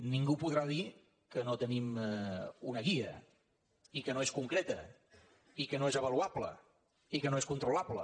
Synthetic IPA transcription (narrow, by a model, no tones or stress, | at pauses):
niŋɡupuðɾaði | kənot̪ənim | unəɣiə | ikənoeskuŋkɾɛt̪ə | ikənoezəβəluablə̰ | ikənoeskunt̪ɾulaplə̰